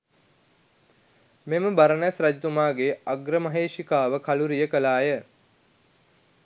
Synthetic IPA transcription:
meməbaɾənasɾad͡ʒit̪umaːɡeaɡɾəmaɦeːʃikaːʋəkʰaluɾijəkəlaːjə

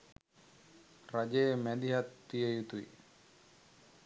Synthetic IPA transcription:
rad͡ʒejmæd̪iɦat̪ːijəjut̪uḭ

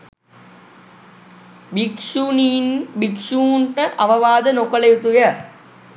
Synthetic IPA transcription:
bikʂunibikʂuːɳʈəʔɐʋɐʋaːd̪ənokɐlɐjut̪ujɐ

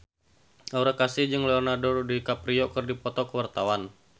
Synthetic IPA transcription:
ʔaɾakasid͡ʒɨŋlɛɔrnardɔrdikapɾiɔkərdipɔt̪ɔkəwart̪awan

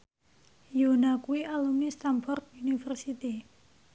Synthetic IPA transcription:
jonakuiʔalumist̪amfɔrt̪̚unifərsit̪i

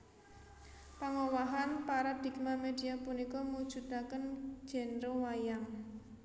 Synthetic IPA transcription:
paŋowaɦanpaɾad̪̥i̤k̚mamed̪iapunikɔmud̥ʒ̥ṳd̪akən̥d͡ʒ̥ɛ̤nɾowajaŋ

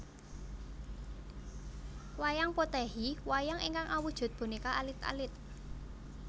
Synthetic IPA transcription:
wajaŋpot̪ɛɦiwajaŋiŋkaŋʔawud̥ʒ̥ʊ̤t̪̚b̥ṳnikaʔalɪt̪a̰lɪt̪̚

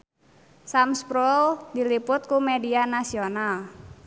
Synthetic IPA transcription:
samspɾuldilipʊt̪̚kumedianasional

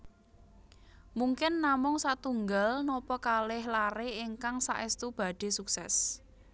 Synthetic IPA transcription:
muŋkɪnːamʊŋsat̪uŋɡalnɔpɔkalɪhlaɾeːŋkaŋsa̰ʔest̪ub̥a̤ɖ̥e̤suksɛs

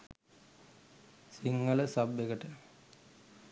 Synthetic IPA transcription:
siŋːɐlɐsɐbeɣɐʈːe

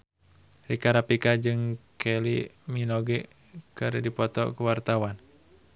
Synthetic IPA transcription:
ɾikaɾapikad͡ʒɨŋkʰɛliminɔɡɛ | kaɾədipɔt̪ɔ̰kuwart̪awan

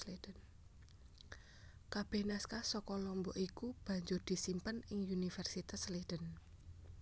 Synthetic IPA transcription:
led̥ən | kab̥ɛhnaskasɔkɔlɔmbɔʔikub̥ä̤ɲd͡ʒʊrd̪̥i̤simpənɪŋunifɛrsit̪asled̥ən

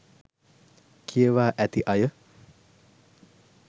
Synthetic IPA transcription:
kʰiəʋaːʔæt̪iʔajə

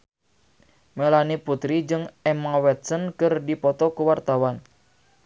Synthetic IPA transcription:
melaniput̪ɾid͡ʒɨŋɛmawɛt̪̚sənkɨrdipɔt̪ɔkuwart̪awan

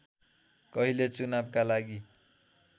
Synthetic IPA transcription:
kʌɦilet͡sunabkalaɡi

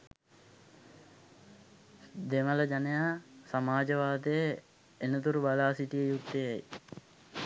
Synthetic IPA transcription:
d̪emələd͡ʒanəjaːsamaːd͡ʒəʋaːd̪ejə | enət̪uɾubalaːsiʈijəjuk̚t̪əjaj

